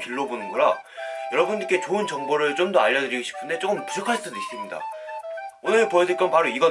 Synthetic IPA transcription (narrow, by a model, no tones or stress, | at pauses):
kiɭːobonɯnɡʌɾajʌɾʌbundik͈ʰet͡ɕoɯnt͡ɕʌŋboɾɯɭt͡ɕ͈omdʌaʎːʌdɯɾiɡoɕʰi̥pʰɯnde̞t͡ɕ͈ok͈ɯmpud͡ʑʰʌkʰaɭs͈udois͈ɯmɲida̰ | onɯɭpʌesʰʌik͈ʌnpaɾoiɡʌ